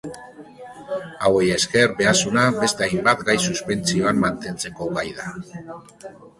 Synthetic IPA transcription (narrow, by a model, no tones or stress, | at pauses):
awejeske̞ɾbe̞asunaβe̞st̪eajmbat̪ɡajsuspe̞nt͡sio̞amːant̪e̞nt͡se̞ko̞ɡajða